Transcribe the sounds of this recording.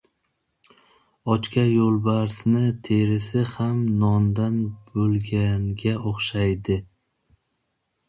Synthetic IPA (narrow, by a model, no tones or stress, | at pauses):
ɒt͡ʃkʲajolˠbaɾsnɪt̪ʰeɾɪsɪhamnɒnd̪anbɵlˠɡʲanɡʲaoχʃajd̪ɪ